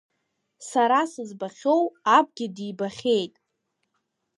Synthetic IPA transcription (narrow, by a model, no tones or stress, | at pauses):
saɾasɨzbaχʲo̞wab̚ʰʼɡʲɪdibaχʲe̞jtʼ